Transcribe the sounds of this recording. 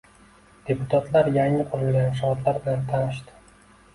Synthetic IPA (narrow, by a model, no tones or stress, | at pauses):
d̪̥e̞pʊt̪ʰat̪ʰlaɾjaŋɪqʰʊɾɪlɡʲanʃɒt̪laɾbɪlant̪ʰanɪʃd̪ɪ̥